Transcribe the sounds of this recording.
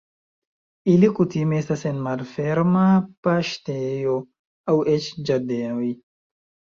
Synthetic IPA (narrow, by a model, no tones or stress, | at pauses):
ilikut̪imeest̪asenmalfeɾmapaʃtejo | awet͡ʃd͡ʒadeoj